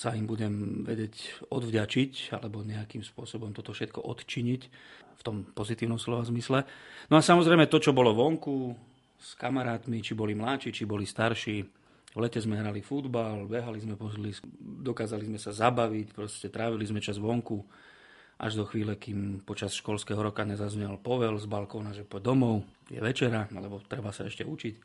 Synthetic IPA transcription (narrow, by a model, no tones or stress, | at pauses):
saimbuɟɛmʋɛ̰ɟɛcɔd̪vɟat͡ʃica̰lɛbɔɲɛakimspʊɔsɔbɔmt̪ɔt̪ɔfʃɛt̪̚kɔʔɔt̪t͡ʃiɲic | ft̪ɔmpɔzit̪iːʊnɔmslɔʋazmislɛnɔasamɔzɾɛɪmɛt̪ɔt͡ʃɔbɔlɔʋɔŋku | skamaɾaːt̪mit͡ʃibɔlimlaːt͡ʃiːt͡ʃibɔlist̪aɾʃiː | ʋlɛcɛzmɛɦɾalifud̪balbɛɦalizmɛpɔlisd̪ɔkaːzalizmɛsazabaʋicpɾɔscɛt̪ɾaːʋilizmɛt͡ʃazʋɔŋku | ʔa̰ʒd̪ɔxʋiːlɛkimpɔt͡ʃasʃkɔlskɛɦɔɾɔkaɲɛzazɲɛlpɔʋɛlzbalkɔʊnaʒɛpɔd̪ɔmɔʊ | jɛ̰ʋɛt͡ʃɛɾalɛbɔt̪ɾɛbasa̰ɛʃcɛut͡ʃic